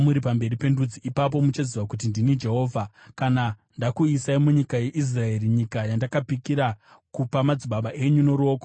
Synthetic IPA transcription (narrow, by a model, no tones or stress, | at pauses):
muɾipambe̞ɾipe̞ndud͡ziʔipap̬o̞mut͡ʃaziʋakut̬indinid͡ʒe̞ɦo̞ːvʱa | kanandakuisaimuɲikaje̞ʔis̬rae̞riɲikajandakapikiɾa | kupamad͡ziɓaɓaʔe̞ɲuno̞ɾo̞ːko